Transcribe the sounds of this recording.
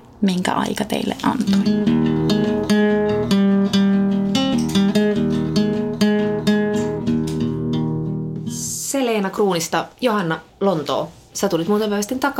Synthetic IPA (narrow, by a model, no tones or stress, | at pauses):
miŋkæ̰ʔɑ̰jkɑt̪ḛilːḛʔʔɑnt̪oj | seleːnɑkruːnist̪ɑjo̞ɦɑnːɑlo̞nt̪o̰ː | sæt̪ulit̪muːt̪eʋæʋæst̪int̪ɑk